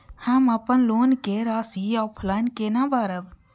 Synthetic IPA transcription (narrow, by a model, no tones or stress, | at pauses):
həmɐpənloːnkeɾaːsiɔːpʰlaːɪnkenabaːɾəb